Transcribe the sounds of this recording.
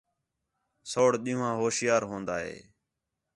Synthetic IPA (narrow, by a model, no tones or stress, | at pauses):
soːɽɗ̪ĩːãːɦoːsɪjaːɾɦõːnd̪aːɦḛː